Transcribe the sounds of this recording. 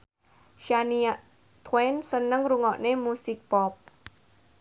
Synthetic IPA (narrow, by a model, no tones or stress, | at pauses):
ʃaniaʔ | t̪ʰwensənəŋruŋɔʔnemusɪk̚pɔp̚